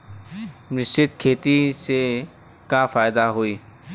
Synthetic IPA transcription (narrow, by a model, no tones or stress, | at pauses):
mɾɪst͡ʃɪt̪kʰeːt̪ise | kafaːjd̪aɦoiː